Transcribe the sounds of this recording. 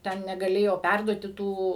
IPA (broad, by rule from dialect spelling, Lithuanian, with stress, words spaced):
ˈtʲɛn nʲɛɡɐˈlʲeːjoː ˈpʲærduɔtʲɪ ˈtuː